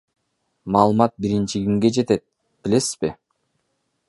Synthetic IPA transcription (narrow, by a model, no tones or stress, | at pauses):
mɑːlˠɯmɑt̪̚biɾint͡ʃiɡiŋɡe̞d͡ʒe̞t̪et̪̚ | b̥ile̞si̥z̥bɪ